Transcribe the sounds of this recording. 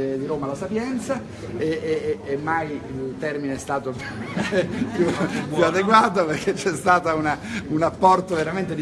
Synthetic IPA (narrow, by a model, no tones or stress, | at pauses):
d̪iɾoːmalasapjɛnt̪sa | eːmːajilt̪ɛrmineɛst̪aːt̪op | pjupjuad̪eɡwaːt̪operkːet͡ʃːɛst̪aːt̪aunaunapːɔrt̪oveɾament̪ed̪